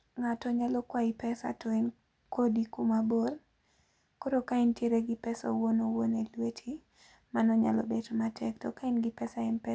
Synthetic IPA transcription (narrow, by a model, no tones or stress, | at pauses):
ŋatɔɲalɔkwaipɛsa̰tʰɔin | kʰodikumabol | koɾokaɪntjeɾeɡɪpɛsa̰wonowonelwetʰi | manɔɲa̰lɔ̰bedomatʰɛktɔkaɪnɡɪpɛsaɪnpɛ